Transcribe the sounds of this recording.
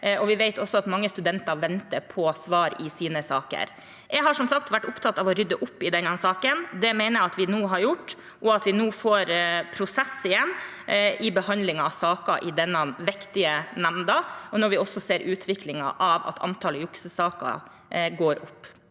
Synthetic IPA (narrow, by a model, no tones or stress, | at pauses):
ʔɔʋɪʋɛɪt̪ʰɔsːɔɑt̪mɑŋːəst̪ʉd̪ɛnt̪ɑɾʋɛnt̪əɾpʰɔsʋɑːɾɪsiːnəsɑːkə̰ɾ | jɛɦɑʂɔmsɑk̚t̪ʋæʈːʊpt̪ʰɑt̪ːɑʋɔɾʏd̪ːəʔʊpːɪd̪ɛnːɑsɑːkənd̪ɛmæɪnəɾɑt̪ʋɪnuːɦɑɾjʊʈː | ʔɔɑt̪ʋɪnuːfoːɾpʰɾʊsɛsːɪjɛnːɪbəhɑnd̪lɪŋɑɑʋsɑːkɑʔɪd̪ɛnːɑnʋɛkt̪ɪənæmnd̪ɑɔnɔɾʋɪɔsːɔseːɾʔʉːt̪ʰʋɪklɪŋɑ̰ʔɑʋɑ̰t̪ʰɑ̰nt̪ʰɑːləjʊksəsɑːkɑ̰ | ɡoːɾʊpː